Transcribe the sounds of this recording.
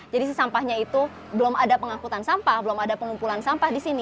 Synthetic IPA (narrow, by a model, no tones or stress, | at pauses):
d͡ʒadis̬əsampahɲait̪u | bəlomadapəŋakut̪ansampahbəlomadapəŋumpulansampahdisini